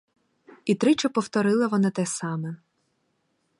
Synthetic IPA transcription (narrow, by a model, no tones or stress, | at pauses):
it̪ɾɪt͡ʃɐpɔwt̪ɔɾɪlˠɐʋɔnɑt̪ɛsɑmɛ